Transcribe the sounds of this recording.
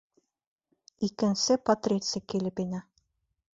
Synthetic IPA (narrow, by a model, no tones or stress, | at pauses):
ikɘ̆nsɘpɐt̪rʲet̪sɪijkilɘpinæ